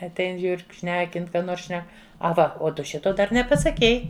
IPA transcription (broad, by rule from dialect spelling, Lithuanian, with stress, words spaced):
ɐtʲˈɛɪn ˈʒʲuːr k ˈʃʲnʲæːkʲɪn ˈkɑː ˈnoːrs ˈʃʲnʲɛk ɐˈʋɐ oː ˈtʊ ˈʃʲɪtoː ˈdɐr nʲɛpɐsɐˈkʲɛɪ